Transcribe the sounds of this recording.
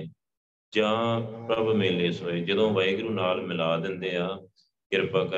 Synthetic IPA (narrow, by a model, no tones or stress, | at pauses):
d͡ʒãːpɾəbmeːleːsoːeːd͡ʒəd̪õːʋəiːɡɾũːnaːlmɪlaːd̪ɪnd̪eːãː | ɡɪɾpaːkə